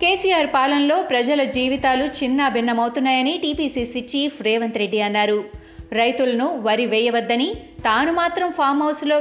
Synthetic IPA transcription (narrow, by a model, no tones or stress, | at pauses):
keːsijaːɾpaːlɐnlo̞ːpɾɐd͡ʒɐlɐd͡ʒiːʋit̪aːlut͡ʃinːɐːbʱinːɐmɐwt̪unːaːjɐniʈiːpiːsiːsit͡ʃiːpʰɾeːʋɐnt̪ɾe̞ɖːiɐnːaːɾu | ɾɐjt̪ulɐnuʋɐɾiʋɛːjɐʋɐd̪ːɐnit̪aːnumaːt̪ɾɐmpʰaːɾmɦɐwsloː